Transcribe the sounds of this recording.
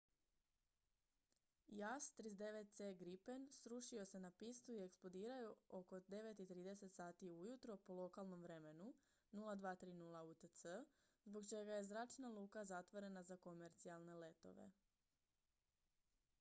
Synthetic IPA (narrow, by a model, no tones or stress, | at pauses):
jast̪ɾizd̪e̞ʋe̞t̪̚t̪seːɡɾipe̞nsɾuʃio̞se̞napist̪uie̞ksplˠo̞d̪iːɾajuo̞ko̞d̪e̞ʋe̞t̪it̪ɾiːd̪e̞se̞t̪saːt̪iujut̪ɾo̞polo̞kalˠno̞mʋɾe̞me̞nu | nulˠad̪ʋaːt̪ɾiːnulˠaut̪ət̪sə | zbo̞ɡt͡ʃe̞ɡaje̞zɾaːt͡ʃnalˠuːkazat̪ʋo̞ɾe̞nazako̞me̞ɾt̪sialˠne̞le̞t̪o̞̰ʋe̞̰